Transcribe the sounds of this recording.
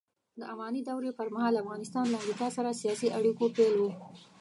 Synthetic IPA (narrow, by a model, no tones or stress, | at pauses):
d̪əavɑnid̪awɾepəɾmahɑlafɣɑnɪst̪ɑnlaːmɾikɑsaɾasijɑsiʔaɽikopelwo